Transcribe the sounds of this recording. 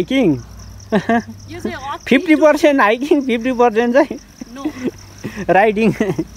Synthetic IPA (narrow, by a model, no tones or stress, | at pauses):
jkiŋ | pʰip̚ʰʈipʌrsenʈajkiŋpʰip̚ʰʈipʌrsenʈt͡saj̃ | ɾajɖiŋ